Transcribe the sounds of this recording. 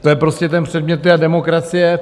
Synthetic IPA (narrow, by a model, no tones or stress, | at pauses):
t̪ojɛpɾo̞scʲɛt̪ɛnpr̝̥ɛdmɲɛt̪̚d̪ɪadɛmo̞kɾat͡sɪjɛ